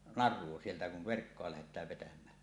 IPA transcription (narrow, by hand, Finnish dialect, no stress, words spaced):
nɑrˑuo sieltæ kuʋ ʋerkːoɑ læhetˑæːʋ ʋetæmˑæː